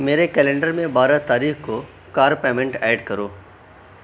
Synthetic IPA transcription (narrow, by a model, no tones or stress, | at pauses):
meːɾekɛːlɛ̃ɳɖəɾmẽbaːɾat̪aːɾiːxko | kaːɾpeːmẽɳʈɛːɖkɐɾoː